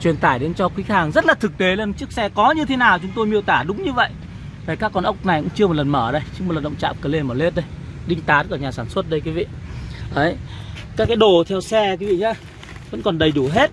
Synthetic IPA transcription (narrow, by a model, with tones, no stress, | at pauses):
t͡ɕwi˨˩ənt̪aː˧˩jɗe˨˦nt͡ɕɔ˧kwi˨˦haː˨˩ŋzə˦˥t̚laː˨˩t̪ʰɨ˨˩k̚t̪e˨˦le˧˩nt͡ɕɨ˦˥ək̚sɛ˧kɔ˨˦ɲɨ˧t̪ʰe˨˦naː˨˩wt͡ɕʊ˨˦ŋ͡mt̪o˧jmḭ˧˨wt̪aː˧˩ɗʊ˨˦ŋ͡mɲɨ˧və̰˧˨jʔ | vaː˨˩kaː˦˥kːɔ˧˩nʔə˦˥wk͡p̚na˨˩jkʊ̰˧˥ŋ͡mt͡ɕɨ˧əm˨˩t̚lə˨˩nməː˧˩ɗə˧jt͡ɕɨ˨˦ŋmo˨˩˨l̚ɗə˧˨ŋ͡mt͡ɕa̰ː˧˨mkəː˨˧˩le˧˩məː˧˩le˦˥t̚ɗə˧j | ɗï˧ŋ̟t̪aː˨˦kɔː˧˩ɲaː˨˩saː˧˩nswə˦˥t̚ɗə˧jkwi˨˦vḭ˧˨ʔə˨˦jkaː˦˥kːaː˨˦jɗo˨˩t̪ʰɛ˧wsɛ˧kwi˨˦vḭ˧˨ɲaː˨˧˦ | və̰˧˥nkɔ˨˩nɗə˨˩jɗu˧˩ɦe˦˥t̚